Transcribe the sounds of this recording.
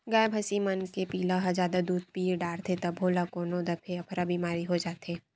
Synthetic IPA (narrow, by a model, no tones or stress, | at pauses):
ɡaːebʱɐsimɐnkepiːlaɦɐd͡ʒaːd̪ad̪uːd̪̚piɖaːɾt̪ʰet̪ɐbʱoːlakoːnod̪ɐpʰeɐpʰɾabiːmaːɾiɦod͡ʒaːt̪eː